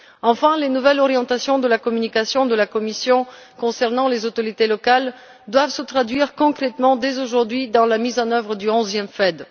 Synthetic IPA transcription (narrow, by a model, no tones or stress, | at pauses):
ɑ̃fɛ̃lenuvɛlɔʁjɑ̃t̪asjɔ̃d̪əlakɔmynikasjɔ̃d̪əlakɔmisjɔ̃kɔ̃sɛʁnɑ̃lezot̪ɔʁit̪elɔkal | d̪wavsət̪χad̪ɥiʁkɔ̃kχɛt̪mɑ̃d̪ezoʒuʁd̪ɥid̪ɑ̃lamizɑ̃nœvʁəd̪yɔ̃zjɛmfɛd̪